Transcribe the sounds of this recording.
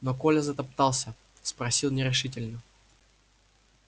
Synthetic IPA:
nokolʲəzət̪ɐp̚t̪ɑlˠsʲə | spɾɐsʲilˠnʲɪɾʲɪʂɨtʲɪlʲnə

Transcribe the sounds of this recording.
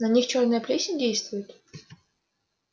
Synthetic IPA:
nɐnʲixt͡ɕornəjəplʲesʲnʲɪdʲejst̪vʊjɪt̪

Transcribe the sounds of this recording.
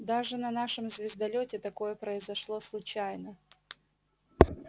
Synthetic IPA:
d̪aʐɨnɐnaʂɨmzʲvʲɪzd̪ɐlʲotʲɪt̪ɐko̞jəpɾəɪzɐʂlˠoslˠʊt͡ɕajnə

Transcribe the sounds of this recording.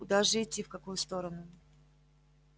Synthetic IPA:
ʊd̪aʐɨɪtʲːifkɐkujʊst̪o̞ɾənʊ

